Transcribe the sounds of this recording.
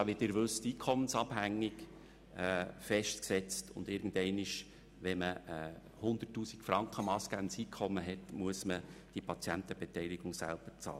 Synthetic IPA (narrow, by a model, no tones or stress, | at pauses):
ɑːʋɪtdɪɾʋɵstiːkʰɔmənsɑbhæŋːiɡ | ɛːfɛʃtksɛt͡stʰʊ̰nd̪ɪɾɡn̩dɛɪnɪʃ | ʋɛməɛː | hʊnd̪ətːuːsikfɾɑŋkχəmɑːsɡ̥ænsiːkʰχɔmːəɦɛtmuəsməd̥ipʰɑt͡sjænt̪əb̥ɛtɛɪliɡ̥ʊŋsæ̰lb̥ət͡sɑ̰ːl